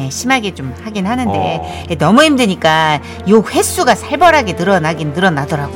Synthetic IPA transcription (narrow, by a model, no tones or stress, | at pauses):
eɕʰimaɡe̞t͡ɕomhaɡinɦanɯnde̞̰ | enʌmuimdɯɲik͈a | jok̚ɸe̞s͈uɡasʰaɭbʌɾɦaɡe̞nɯɾʌnaɡinnɯɾʌnadʌɾaɡo